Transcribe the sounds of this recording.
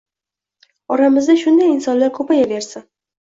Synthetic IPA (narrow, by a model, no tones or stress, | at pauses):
ɒɾamɪzd̪aʃʊnd̪ajɪnsɒnlaɾkʰopajaveɾsa